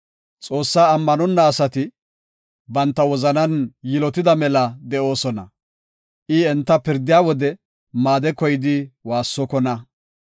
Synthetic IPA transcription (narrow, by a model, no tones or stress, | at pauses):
t͡sʼo̞ːsːaːɐmːɐnɔnːɐːsɐt̪ɪ | bɐnt̪ːɐwɔzɐnɐnjɪlɔt̪ɪd̪ɐmɛlɐd̪ɛʔo̞ːsɔnɐ̰ | ʔɪɛnt̪ːɐpɪɾd̪ɪjaːwɔd̪ɛ | maːd̪ɛkɔjɪd̪ɪwaːsːɔkɔnɐ